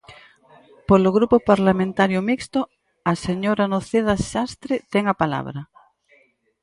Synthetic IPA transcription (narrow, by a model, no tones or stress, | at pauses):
poloɣɾupopaɾlamẽnt̪aɾjomikst̪o | aseɲoɾanoθeðaʃast̪ɾet̪ɛŋapala̰β̞ɾa